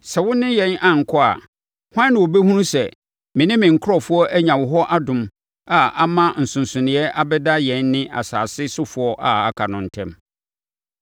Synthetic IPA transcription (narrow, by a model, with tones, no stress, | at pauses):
sɛ˨wʊ̃˦nɪ̃˦jɛ̃˨˦nã˨ŋ̩˨kʰɔ˦a̰˨ | hwã˦nːɪ̃˨wo˨be˦hũ˦nsɛ˨ | mɪ̃˨nɪ̃˦mɪ̃˨ŋ̩˨kʰʊ˦ɔ˦fʊ˦ɔ˦ʔæ˦ɲã˨wʊ˨ɦɔ˦ʔa˦dʊ̃˨m | a˨a˨mã˦n̩˨sʊ̃˨n˨sʊ̃˨nɪ̃˨ɛ˦ʔa˦bɛ˦da˦jɛ̃˨˦nːɪ̃˦ʔa̰˨sa̰ː˨sɪ˦sʊ˦fʊ˨˦ɔ˦ʔa˨a˨kʰa˨nʊ̃˨n̩˨tʰɛ̰̃˦m